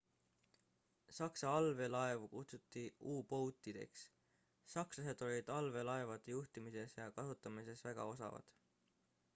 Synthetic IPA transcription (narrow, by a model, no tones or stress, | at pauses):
sɑksɑɑlve̞lɑe̞vukut̪sut̪ːˑiuːpo̞wt̪ˑːid̪̥e̞̰ksː | ɑksɑse̞d̪̥o̞lʲid̪̥ɑlve̞lɑe̞vɑd̪ejuht̪imise̞sjɑkɑsut̪ːˑɑmise̞svæɡ̥ɑ̰o̞sɑ̰vɑ̰d̪̥